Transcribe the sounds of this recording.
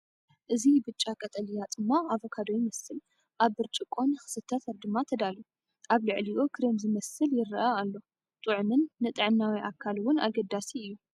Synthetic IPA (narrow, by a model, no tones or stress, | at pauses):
ʔɨzibɨt͡ʃʼakʼɐt̪ʼɐlijad̪ʼɨmːaaβokʰad̪ojimɐsɨl | ʔaβːɨɾt͡ʃʼɪkʼːo̞nɨxɨ̥sɨt̪ʰːɐt̪ʰɐɾd̪ɨmːat̪ʰɐd̪alu | ʔaβlɨʕliʔokʰɾimzɨmɐsɨljɪɾʔaalːo̞ | t̪ʼɨʕmɨnːɨt̪ʼɨʕɨnːawiʔakʰːalwʊna̰ɡɐd̪asiɨjːu